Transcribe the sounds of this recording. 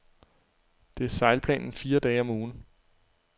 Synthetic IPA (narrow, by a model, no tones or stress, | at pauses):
d̥e̝æɐsɑ̈ɪlpʰlɛ̰ːnn̩fiːɐd̥ɛːɪɒ̽muːn̩